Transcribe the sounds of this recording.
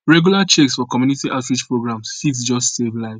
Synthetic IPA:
ɹɛɡjulat͡ʃeksfɔkɔmjunitiʔaʊtɹid͡ʒpɹoɡɹãmsːiksd͡ʒɔstsevlaɪv

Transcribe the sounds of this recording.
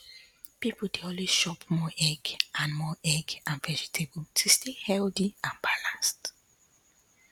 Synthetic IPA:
pipudeɔ̃lwezʃɔpmɔʔɛɡãnmɔɛɡãnvɛd͡ʒitʰebutʰustehɛldiãnbalãnst

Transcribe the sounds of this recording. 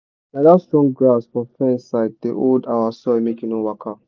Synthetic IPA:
nadastɹɔ̃ŋɡɹasfɔ̃fɛ̃nsaɪd̚deʔoldawasɔimekĩnowakʰa

